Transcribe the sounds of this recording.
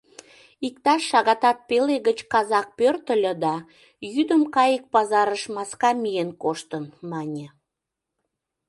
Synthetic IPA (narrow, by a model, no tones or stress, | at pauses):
ik̚t̪ɑʃːɑɣɑt̪ɑt̪̚peleɣət͡ɕkɑzɑk̚pørt̪ə̆lʲə̆d̪ɑ | jyd̪əmkɑjək̚pɑzɑɾəʃmɑskɑmijenkoʃt̪ənmɑnʲĕ